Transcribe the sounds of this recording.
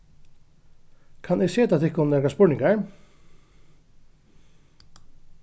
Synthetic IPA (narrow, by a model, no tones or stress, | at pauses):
kʰanɛɣseːt̪aθɪhkʊnnɛɾkaspʊɹnɪŋkaɹ